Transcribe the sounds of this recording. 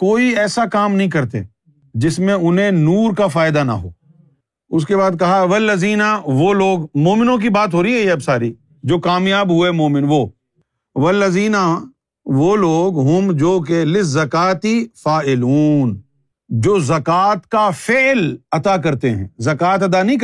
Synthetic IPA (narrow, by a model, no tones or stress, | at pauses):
koːiɛːsakaːmnɐɦĩkɐɾt̪ḛ | d͡ʒɪsmẽʊnɦẽnuːɾkafaːɪd̪ana̰ɦo̰ː | ʊskebaːd̪̚kɐɦaʋɐlːɐziːnaʋoloːɡmoːmɪnõk̬ibaːt̪ɦoːɾiɦɛjɛɐbsaːɾi | d͡ʒoːkaːmjaːbɦʊemoːmɪnʋoː | ʋɐlːəziːna | ʋoloːɡɦʊmd͡ʒoːk̬elɪzːɐkaːt̪ifaːʔɪluːn | d͡ʒoːzɐkaːt̪kafɪlɐt̪ak̬ɐɾt̪eɦɛ̰̃ːzɐkaːt̪ɐd̪anɐɦĩk